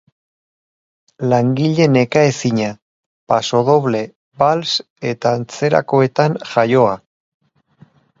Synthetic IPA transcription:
laŋɡiʎe̞ne̞kae̞siɲa | paso̞ðo̞βle̞ | bals | e̞t̪aːnt͡se̞ɾa̰ko̞e̞t̪aŋʝajo̞a

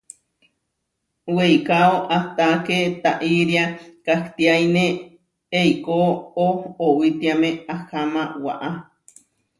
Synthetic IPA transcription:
wejkaoʔaht̪aket̪aʔiɾjakaht̪iajne | eijkoohowit̪iamẽahamawa̰ʔa

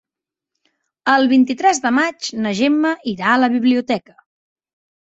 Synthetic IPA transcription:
əlˠβint̪it̪ɾɛzðəmad͡ʒnəʒemːəʔiɾaələβiβliut̪ɛkə̥

